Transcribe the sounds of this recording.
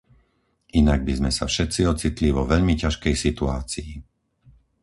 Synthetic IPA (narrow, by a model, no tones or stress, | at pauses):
ʔinaɡ̚bizmɛsa̰fʃɛt̪t͡siɔt͡sit̪liʋɔʋɛʎmicaʃkɛjsit̪uaːt͡sii